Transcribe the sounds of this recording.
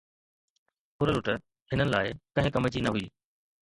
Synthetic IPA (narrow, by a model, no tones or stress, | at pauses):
ʊɾəlʊʈə | ɦɪnənɪ̆la̰ːɪkɐ̃ɦɪ̃kɐmət͡ɕinɐɦʊiː